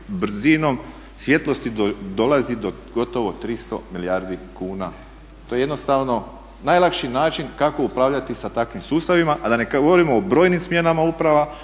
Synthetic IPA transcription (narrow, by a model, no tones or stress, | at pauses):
bɾ̩zino̞m | sʋje̞t̪lo̞st̪id̪o̞lˠazid̪o̞ | ɡo̞t̪o̞ʋot̪ɾist̪o̞̰milijaːɾd̪ikuːna | t̪o̞jeed̪nost̪aʋno̞ | najlakʃinaːt͡ʃinkako̞upɾaːʋʎat̪isat̪akʋimsuːst̪aʋimaʔad̪anekɡoʋoɾimoːbɾo̞ːjnimsmje̞namaupɾaʋa